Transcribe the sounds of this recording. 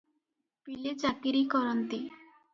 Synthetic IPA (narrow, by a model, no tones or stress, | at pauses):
pilet͡ʃakiɾikɔɾɔnt̪i